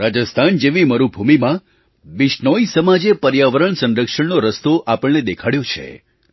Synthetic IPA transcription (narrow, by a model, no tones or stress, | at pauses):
ɾad͡ʒəst̪ʰand͡ʒeʋiməɾubʱumimã | ʋiʃɳoisəmad͡ʒepəɾjaʋəɾəɳsə̃nɾəkʂəɳnoɾəst̪oʔapəɭned̪ekʰaɽjot͡ʃʰḛ